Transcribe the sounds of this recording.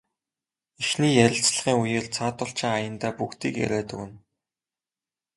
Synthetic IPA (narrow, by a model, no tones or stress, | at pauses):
ixniːjæɾʲɪ̆ɬt͡sɮə̆χiːŋujeːɮt͡sʰaːt̪ʊɬt͡ɕɪ̆ŋajə̆nt̪æːpukt̪iːkjæ̰ɾʲæːt̪ɘ̆wɘ̆n